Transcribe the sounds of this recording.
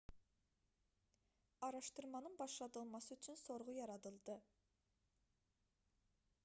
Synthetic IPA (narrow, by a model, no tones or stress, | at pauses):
ɑɾɑʃt̪ɨɾmɑnɨɴbɑʃlˠɑt̪ɯlˠmɑsɨyt͡ʃʰynsoɾʁʊjɑɾɑd̪ɨlˠd̪ɨ